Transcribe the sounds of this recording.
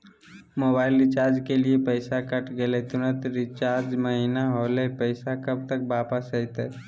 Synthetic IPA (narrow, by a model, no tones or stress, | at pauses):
moːbaːɪlɾɪt͡ʃaːɾd͡ʒkeliepəɪsakəʈɡelet̪ʊnət̪ɾɪt͡ʃaːɾd͡ʒməɦinaɦolepəɪsakəb̚t̪ək̚baːpəsəɪt̪eː